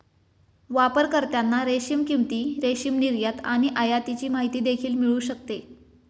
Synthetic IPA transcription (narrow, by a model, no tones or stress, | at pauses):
ʋapəɾkəɾt̪janːaɾeɕimkimt̪iːɾeɕimniɾjat̪aɽ̃iʔəjat̪it͡ɕiːmaɦit̪iːd̪ekʰiːlmiɭuːɕək̚t̪e